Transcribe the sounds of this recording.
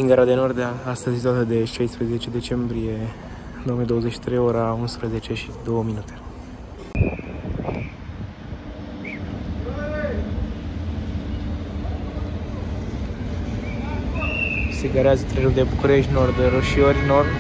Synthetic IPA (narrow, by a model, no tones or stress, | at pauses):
iŋɡaɾad̪eno̞rd̪aast̪əzʲes̬t̪at̪əd̪e̞ʃajspɾəze̞t͡ʃe̞d̪e̞t͡ʃe̞mbɾije̞ | d̪oomied̪oəzeʃi̥t̪ɾejoɾaunspɾəze̞t͡ʃe̞ʃi̥d̪o̞wəminut̪e | seɡaɾeazət̪ɾeɾud̪ebukuɾeʃt̪ʲnord̪ɾoʃiorʲnord̪